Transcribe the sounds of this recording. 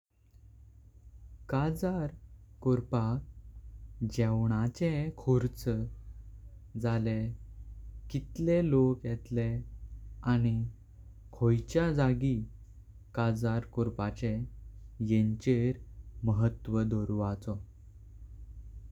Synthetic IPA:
kad͡zaɾkɔɾpak̚ | d͡ʑɛwɳ̃at͡ɕekʰoɾt͡s | d͡zale | kit̪lelokjɛt̪le | añi | kʰojt͡ɕjad͡zaɡi | kad͡zaɾkɔɾpat͡ɕẽ | jeɲt͡ɕeɾməɦət̪ːʋəd̪ɔɾʋat͡sɔ

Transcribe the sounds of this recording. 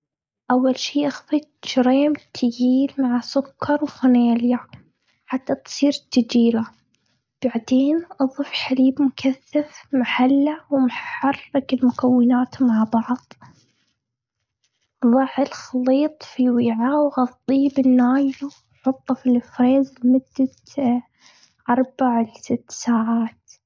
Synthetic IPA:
ʔawːalʃiːʔaxfɪt̪ʃɾeːmt̪ʰɪjiːlmaʕasʊkʰːɑɾˤwfʊneːlja | ħat̪ːat̪sˤiːɾt̪ːad͡ʒiːla | b̥aʕd̪eːnʔɑðˤɨfħaliːbmʊkʰaθːafmaħalːawmħɑrːɪkɪlmʊkawːɪnaːt̪maʕbɑʕðˤ | ðˤɑʕːɪlxɑliːt̪ˤfiwiːʕawɣɑt̪ˤːiːbɪnːaːjlu | ħʊt̪ˤːɑfilfɾeːzlmʊd̪̥ːat̪ | ʔɑɾˤbaʕlsɪt̪ːsaːʕaːt̪

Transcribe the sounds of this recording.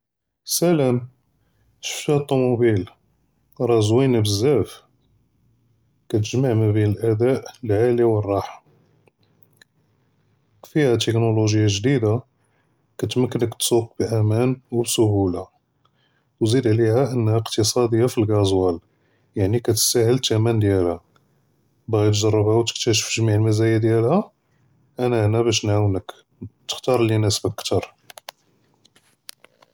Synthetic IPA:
sælæm | ʃə̥ft̪hæt̪ˤːumubil | ɾˤɑzwinabəzːæf | kæt̪̬əʒmaʕmæbinəlʔæd̪æʔlʕaliwərˤːɑħḁ | fihæt̪əknoloʒəjːaʒd̪id̪a | kæt̪mækːənəkt̪suq̚bʔæmænwbsʊhula | wzid̪ʕlihæʔənːhæqt̪əsˤɑd̪əjːafilɡɑzˤwæl | jaʕnikæt̪ə̥sæhəlt̪æmænd̪jælhæ | bɣit̪ʒɑrˤːəbhæwt̪ə̥k̚t̪æʃə̥fʒmiʕəlmæzæjad̪jælhæ | ʔænæʔnæbæʃ̬nʕawnək | t̪ə̥xt̪ɑɾˤlinæsbækt̪ɑɾˤ

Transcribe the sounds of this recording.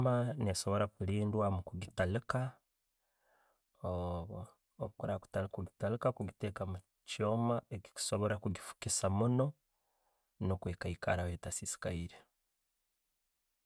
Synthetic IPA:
maneso̞βo̞ɾakuliːndwamukuɡitalika | oː | βukuɾaku̥talkuɡitalikakuɡitekamu | co̞ːmaeki̥ku̥so̞βo̞ɾakuɡifu̥kisamuno̞ | nokweːkaika̰ɾaweːtasisi̥kaiɾe

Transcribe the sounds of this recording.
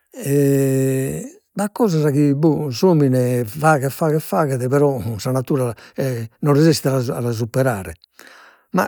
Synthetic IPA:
ɛ | bakːɔːzazaɣibuzoːminɛvaɣɛfaɣɛfaːɣɛðɛβɛɾɔsanat̪ːuːɾaɛnɔnrizist̪ɛaaalaz̬upːɛɾaːɾɛ̰ | ma̰

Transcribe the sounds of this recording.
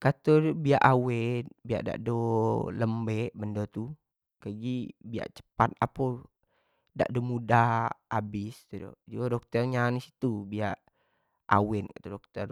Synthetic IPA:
kat̪ɔrbia̰ʔawɛn̚bia̰ʔda̰ʔdoləmbɛʔbəndot̪u | kaɡibia̰ʔt͡ʃə̥pat̪̚apɔ | da̰ʔdomudaabɪst̪udo̰d͡ʒuadɔk̚t̪ərɲanisi̥t̪ubiaʔ | ʔa̰wɛnkḁt̪udɔk̚t̪ər

